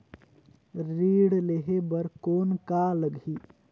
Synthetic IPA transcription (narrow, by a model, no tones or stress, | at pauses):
ɾiːɽleɦebəɾkoːnkaləɡʱiː